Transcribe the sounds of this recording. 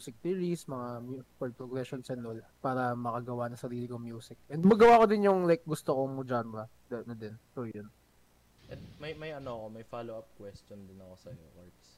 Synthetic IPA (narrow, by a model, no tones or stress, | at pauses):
mjusɪk̚t̪iɹismɐŋamupɛlp̪ɾoɡɾɛʃonsɛnolpaːɾɐmɐkɐɡɐwanɐŋsɐɾiːlɪkomjuːsɪk̚ʔɛnd̪mɐɡɐwakod̪ɪnjʊŋlajk̚ɡʊst̪okoŋmɐd͡ʒambɐ | d̪ɐnɐd̪ɛnp̪ojon | ʔɛd̪̚mɐjmɐjɐnoɐkomɐjfalowap̚kwɛst̪ond̪ɪnɐkosɐjo̰ʔaɹt̪s